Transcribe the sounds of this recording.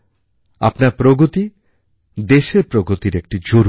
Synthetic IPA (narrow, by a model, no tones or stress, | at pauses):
a̰pnaɾpɾoɡot̪i | d̪eʃeɾpɾoɡot̪iɾek̚ʈid͡ʑoɾ